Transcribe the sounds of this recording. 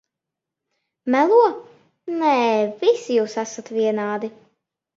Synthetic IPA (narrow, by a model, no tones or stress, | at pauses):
mælˠuɔ | nɛːvisijuːsæsat̪viɛnaːd̪i